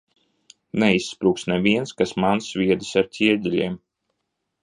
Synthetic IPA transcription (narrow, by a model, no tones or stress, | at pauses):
nɛisːpɾuːksnɛvʲiɛnskasmansvʲiɛd̪ɨsaɾt̪ʲiɛd̪ʲilʲiɛm